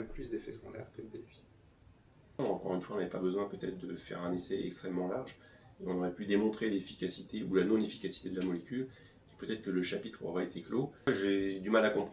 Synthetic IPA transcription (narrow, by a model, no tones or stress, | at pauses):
ɛ̃plysd̪efɛsɡɔ̃d̪ɛ̰ʁkəd̪d̪evi | ɑ̃kɔʁynfwaɔ̃navɛpabəzwɛ̃pøt̪ɛt̪χd̪əfɛ̰ʁɛ̃nesɛɛ̰kst̪χɛmːɑ̃laʁʒ | eɔ̃noʁɛpyd̪emɔ̃t̪χelefikʲasit̪eulanɔ̃nefi̥kasi̥t̪ed̪əlamɔlekʲyl | epøt̪ɛt̪χkələʃapit̪χɔ̰ʁɛet̪ekloʒed̪ymalakɔ̃p